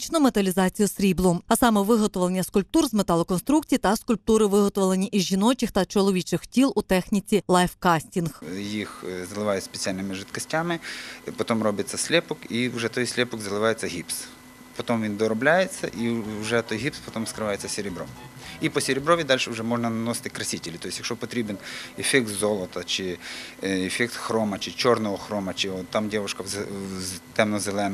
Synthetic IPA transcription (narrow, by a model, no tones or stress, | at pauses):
t͡ʃnʊmet̪ɐlʲizɑt͡sʲijʊsɾʲiblˠʊɐsɑmɛʋɪɦɔt̪ɔʋlˠenʲːɐskʊlʲp̚t̪urzmet̪ɑlˠɔkɔnst̪ɾukt͡sʲijit̪ɐskʊlʲp̚t̪uɾɪʋɪɦɔt̪ɔʋlˠenʲiʔizʲʒinɔt͡ʃʲɪxt̪ɐt͡ʃɔlˠɔʋʲit͡ʃɪxtʲilˠut̪ɛxnʲit͡sʲilˠɑjfkɑsʲtʲinxjixzɐlˠɪʋɑjʊsʲpʲe̥t͡sʲialʲnɪmɪʐɪt̪kɐsʲtʲamɪpɔt̪ɔmrɔbɪt͡sʲːɐsʲlʲɛpɔkiuwʒɛt̪ɔjsʲlʲɛpɔɡzɐlˠɪʋɑjet͡sʲːɐɦʲips | pɔt̪ɔmʋʲind̪ɔɾɔblʲajet͡sʲːɐ̰ʔiwʒɛt̪ɔjɦipspɔt̪ɔmskɾɪʋɑjet͡sʲːɐsʲeɾʲɪbɾɔ̰mipɔsʲeɾʲɪbɾɔʋʲid̪ɑlʲʃɛwʊʒɛmɔʒnɐnɐnɔst̪ɪkɾɐsʲitʲelʲit̪ɔjɪsʲjɐkʃɔpɔt̪ɾʲibenefʲɛkt̪zɔlˠɔt̪ɐt͡ʃɪ | efʲɛk̚t̪xɾɔmɐt͡ʃɪt͡ʃɔrnɔɦɔxɾɔmɐt͡ʃɪɔt̪ːɑmdʲɛʋʊʃkɐ | t̪ɛmnɔzelˠɛn